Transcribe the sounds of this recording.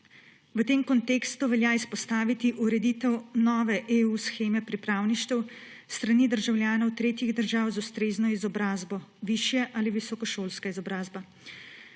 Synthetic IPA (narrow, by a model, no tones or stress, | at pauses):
ʋət̪eːmkɔnt̪eːkst̪uʋɛljaːispɔst̪aːʋit̪iʔuɾɛd̪it̪ɛwnɔːʋɛʔeusxeːmɛpɾipɾaːwniʃt̪ɛwst̪ɾaniːd̪əɾʒawljaːnɔwt̪ɾeːt̪jiɣd̪əɾʒawzust̪ɾeːznɔizɔbɾaːzbɔʋiʃjɛʔaliʋisɔkɔʃoːlskaizɔbɾaːzba